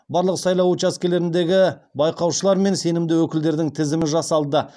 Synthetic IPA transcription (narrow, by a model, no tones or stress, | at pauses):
bɑɾlˠəqsɑjlˠɑwut͡ʃaskʲe̞le̞ɾɪnd̪e̞ɡʲɪbɑjqɑwʃəlˠɑɾme̞nse̞nɪmd̪ɪwɵkʲɪld̪e̞ɾd̪ɪŋt̪ʰɪzɪmɪʒɑsɑlˠd̪ə